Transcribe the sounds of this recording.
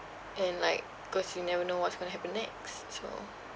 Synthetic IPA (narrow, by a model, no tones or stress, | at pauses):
ɛ̃nlaɪk̚bkɔsjunɛvənowɔtsɡ̥õñəɦɛpə̃nːɛkstso̰